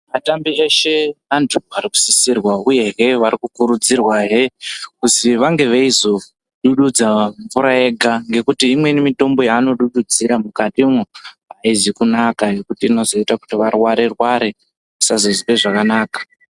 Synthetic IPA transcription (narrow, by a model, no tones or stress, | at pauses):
matambieʃe̞anduaɾiku̥sisirwauje̞ɦe̞ʋaɾikukuɾud͡zirwaɦekusiʋaŋɡe̞ʋeizo̞ | ɗuɗud͡zaɱvuɾaeɡʱaŋɡe̞kutiːmwe̞nimito̞mbo̞jaːno̞ɗuɗud͡ziɾamukatimu | aizikunakajekutiːno̞zo̞itaku̥tiʋarwaɾerwaɾe | usazozipe̞ʐakanaːkḁ